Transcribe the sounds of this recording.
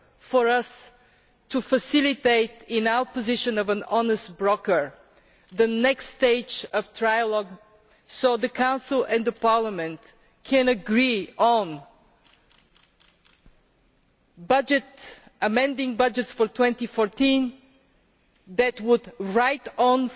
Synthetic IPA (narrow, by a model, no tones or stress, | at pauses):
fəɹʌs | tɨfəsɪlˠɪt̪eɪt̪ɪ̃naʊə˞pɨzɪʃɨ̃nʌvə̃nɑnəstbɹɔkə˞ | ðənɛksteɪd͡ʒʌv̥tʰɹaɪjəlɔɡ | soʊðəkʰãʊ̃nsəl̩ˠɛ̃nðəpɑɹləmɛ̃nt | kʰɛ̃nɨɡɹiə̃n | bʌd͡ʒɨt | əmɛ̃ndɪ̃ŋbʌd͡ʒɨtsfə˞tʰw̥ɛ̃ntifɔɹtĩn | ðɨt̚wʊdɹaɪtn